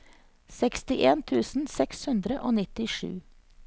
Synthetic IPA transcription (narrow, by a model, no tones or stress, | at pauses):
sɛkst̪ɪʔeːnt̪ʰʉːsn̩sɛkshʉnd̪ɾəʔoːnɪt̪ɪʃʉ̰ː